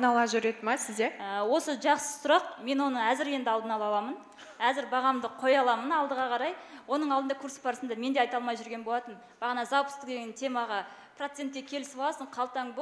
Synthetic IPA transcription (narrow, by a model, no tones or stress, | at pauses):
nɑlˠɑʒʏɾed̪ɪmɑsɪzd̪eəwo̞səʒɑqsə̥sʊɾɑqme̞nwo̞nəæzɪɾe̞nd̪ɪɑld̪ənɑlˠɑw̪ˠɑmən | æzɪɾbɑʁɑmd̪əqʰo̞jɑlˠɑmənɑlˠd̪əʁɑqʰɑɾɑjwo̞nəɴɑlˠd̪nd̪ɑkʰuɾspʰɑɾsnd̪ɑme̞nd̪e̞ɑjt̪ɑlˠmɑjʒʏɾɡʲenbo̞lˠɑt̪ən | b̥ɑʁnɑzɑwpəst̪ɪk̚d̪eɡʲɪnt̪ʰe̞mɑʁɑ | prot̪se̞nt̪̚kʲekʲʰe̞lɪsbɑlˠɑsəɴqʰɑlˠt̪ɑŋb